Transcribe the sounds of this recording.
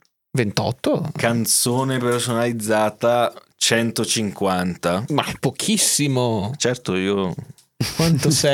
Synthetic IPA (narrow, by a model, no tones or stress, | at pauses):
vent̪ɔ̰t̪ːokant̪soːnepersonalid̪zːaːt̪a | t͡ʃɛnt̪ot͡ʃiŋkwant̪amaɛpok̟ʰisːimot͡ʃɛrt̪oiːo | kwant̪osɛ